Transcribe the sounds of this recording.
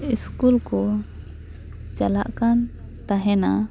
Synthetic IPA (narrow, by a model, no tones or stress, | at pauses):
iskulkɔ | t͡ʃalaʔkan | t̪aɦɛna